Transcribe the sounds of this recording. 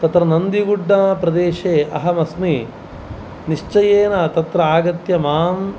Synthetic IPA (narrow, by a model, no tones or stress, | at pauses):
t̪ɐt̪ɾɐnɐnd̪iɡuɖːaːpɾɐd̪eːʃeːʔɐ̰ɦɐmɐsmi | niʂt͡ʃɐjeːnɐt̪ɐt̪ɾɐaːɡɐt̪jɐmaːm